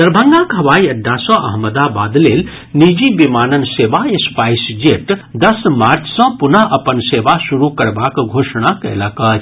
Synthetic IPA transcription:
d̪̥əɾbʱə̃ŋɡakɦɐʋaːiɐɖʱːasɔ̃ʔɐ̰ɦməd̪abaːd̪lel | nid͡ʒibimaːnənsebaespaisd͡ʒeʈd̪əsmaɾt͡ʃʰsə̃punəʔəpənseʋasuɾukəɾbakɡʱoʃɽ̃akə̰ləkət͡ʃ

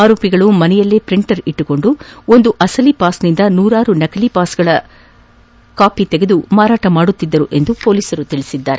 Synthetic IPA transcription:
aːɾoːpiɡɐɭumɐnɛjɐlːeːpɾiɳʈɐɾiʈːuko̞ɳɖuo̞nd̪uʔɐsɐlipaːsnind̪ɐnuːɾaːɾunɐkɐlipaːsɡɐɭɐ | kaːpit̪eɡe̞d̪umaːɾaːʈɐmaːɽut̪ːid̪ːɐɾuʔe̞nd̪upoːliːsɐɾut̪iɭisid̪ːaːɾe

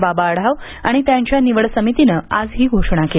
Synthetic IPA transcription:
babaɽ̤aʋ | aɽ̃it̪jaɲt͡ɕjaniʋəɽsəmit̪inəːad͡zɦiːɡʱoʂɳ̃ake

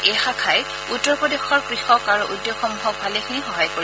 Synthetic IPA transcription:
exakʰaj | utːɔɹpɔdexɔɹkɹixɔkaɹuʔudːjoxɔmbʱɔk̚bʰʱalekʰinixɔɦajkoɹi

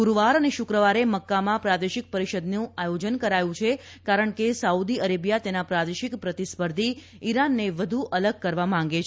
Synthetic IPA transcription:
uɾʋaɾəneʃʊkɾəʋaɾeməkːamãpɾad̪eʃik̚pəɾiʃəd̪nũajod͡ʒənkəɾajũt͡ʃʰe | kaɾəɳkesaud̪iəɾebjat̪enapɾad̪eʃikpɾət̪ispəɾd̪ʱi | iɾanːeʋəd̪ʱuʔələɡ̚kəɾʋamãŋ̆ɡet͡ʃʰ

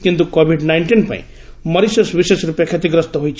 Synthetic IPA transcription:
kint̪ukobʱiɖnajɳʈinpa̰ḭ̃ | mʌɾisesbisesɾupjakʰet̪iɡɾʌst̪ɔɦojt͡ʃʰ

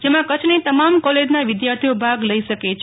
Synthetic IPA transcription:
d͡ʒemãkət͡ʃʰnet̪əmamkɔled͡ʒnaʋɪd̪jaɾt̪ʰijobʱaɡləiʃəket͡ʃʰ

